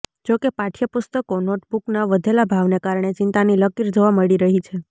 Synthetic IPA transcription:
d͡ʒokepaʈʰjəpʊst̪əkonoʈbuknaʋəd̪ʱelabʱaʋnekaɾɳ̃et͡ʃɪnt̪aniləkiɾd͡ʒoʋaməɭiɾəɦit͡ʃʰe

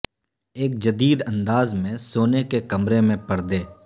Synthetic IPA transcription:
eːk̚d͡ʒəd̪iːd̪ə̃nd̪aːzmẽsoːnekekɐmɾemẽpɐɾd̪eː

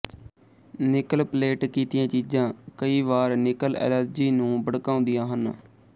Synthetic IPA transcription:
nɪkəlpleːʈkiːt̪ɪjãːt͡ʃiːd͡ʒãːkəiːʋaːɾnɪkəlɛ̰ːləɾd͡ʒiːnũːbəɽkãːʊ̃nd̪ɪjãːɦən

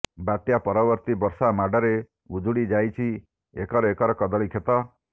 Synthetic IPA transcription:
bat̪japɔɾɔbɔɾt̪ibɔɾsamaɖɔɾe | ud͡ʒuɽid͡ʒajt͡ʃʰi | ekɔɾɔekɔɾɔkɔd̪ɔɭikʰet̪ɔ

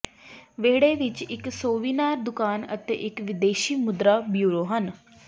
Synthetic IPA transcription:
ʋeːɽeːʋɪt͡ʃɪksoːʋiːnaːɾd̪ʊkaːnə̰t̪ḛːʔɪkʋɪd̪eːʃiːmʊd̪ɾaːbjuːɾoːɦən

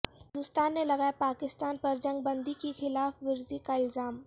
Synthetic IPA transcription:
ɦɪ̃nd̪ʊst̪aːnːelɐɡaːjapaːkɪst̪aːnpɐɾd͡ʒɐ̃ŋɡ̚bə̃nd̪ʱikexɪlaːfʋɪɾzikaɪlzaːm

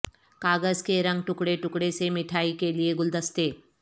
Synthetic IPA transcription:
kaɡəzkeɾə̃ŋɡʈukɽeʈukɽesemiʈʰaiːkelieɡuld̪əst̪e

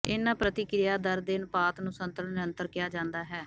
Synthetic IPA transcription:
ɪnãːpɾət̪ɪkɾɪjaːd̪əɾd̪ɪnpaːt̪nũːsənt̪ɾnənt̪əɾkɪjaːd͡ʒãːnd̪aːɦɛː

